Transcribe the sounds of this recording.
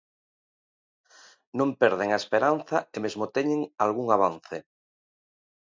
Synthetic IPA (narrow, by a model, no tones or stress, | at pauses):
nõmpeɾðeŋaespeɾan̟θaemezmot̪eɲẽŋalɣuŋaβ̞anθe